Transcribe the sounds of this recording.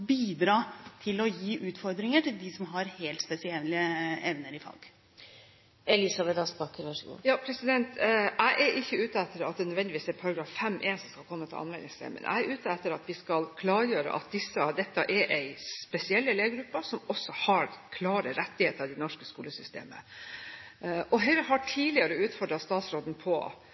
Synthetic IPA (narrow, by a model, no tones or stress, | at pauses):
biːd̪ɾɑːt̪ʰɪlɔjiːʔʉːt̪fɔɾd̪ɾɪŋəʈɪld̪ɪsɔmɦɑɾheːlt̪spɛsɪɛɪəɛʋnəɾɪfɑ̰ːɡ | ɛlɪsɑbɛt̪ɑspɑkːəɾʋɑʂəɡṵːjɑːpʰɾɛsɪd̪ɛnt̪ʰæɪʔɛɾʔɪçːəʉːt̪əɛt̪ːəɾɑt̪̚d̪ɛnœd̪ʋɛnd̪ɪʋiːsɛɾpʰɑɾɑɡɾɑːfːɛmːʔeːnsɔmskɑlkʰɔmːət̪ʰɪlɑ̰nʋɛlnɪŋssɛ̰ɪmʔɛ̰nʔæ̰ɪɛɾʔʉːt̪əɛt̪ːəɾɑt̪ʋɪskɑlkʰlɑːɾjøːɾə̰ʔɑ̰t̪̚d̪ɪsːəd̪ɛt̪ːɑʔɛɾʔɛɪspɛsɪɛlːəleːɡɾʉpːəsɔmɔsːɔhɑɾkʰlɑːɾəɾɛt̪ːɪheːt̪əɾɑd̪ɛnɔʂkəskuːləsʏst̪ḛːmə̰ | ʔɔɦœʏɾəɦɑʈʰiːlɪəɾəʉːt̪fɔɖɾɑst̪ɑːt̪sɾoːd̪n̩pʰɔ̰